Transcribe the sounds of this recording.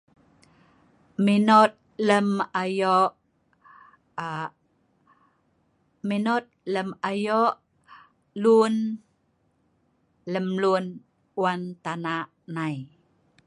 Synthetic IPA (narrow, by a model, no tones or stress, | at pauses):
minɔt̪̚ləmajɔʔ | minɔt̪̚ləmajɔʔ | lun | ləmlun | want̪anaʔnaj